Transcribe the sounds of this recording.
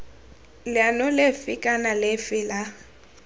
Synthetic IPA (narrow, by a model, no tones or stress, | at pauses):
lɪanʊlefɪkʼanalɪfɪla